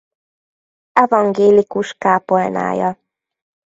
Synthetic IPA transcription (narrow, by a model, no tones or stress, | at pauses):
ɛvɒŋɡeːlikuʃkaːpolna̰ːjɒ